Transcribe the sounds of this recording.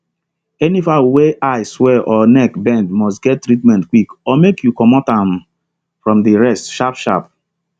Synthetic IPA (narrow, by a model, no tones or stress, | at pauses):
ɛnifaweʔaɪswɛʔɔnɛkbɛ̃ndmɔs̬tɡɛttːɾitmɛ̃ntkwikɔmekjukɔmɔtãm | fɹɔ̃mdiɹɛstʃapʃa̰p̚